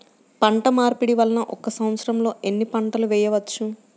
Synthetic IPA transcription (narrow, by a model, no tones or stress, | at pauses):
pɐɳʈɐmaːɾpiɽiʋɐlːɐnɐʔɔkːɐsɐmɐt̪sɐɾɐmlo̞ːʔenːipɐɳʈɐluʋɛːjɐʋɐt͡ʃːu